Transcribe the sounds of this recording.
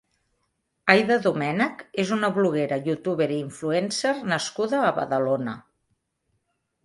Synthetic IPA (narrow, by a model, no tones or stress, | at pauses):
ajðəðumɛnəkezunəβluɣeɾəjut̪uβeɾiiɱfluɛnsernəskuðəːβə̰ðəlonə